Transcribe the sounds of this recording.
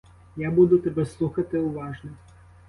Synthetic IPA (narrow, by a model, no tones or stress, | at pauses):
jabud̪ʊt̪ɛbɛslˠuxɐt̪ɪʊʋɑʐnɔ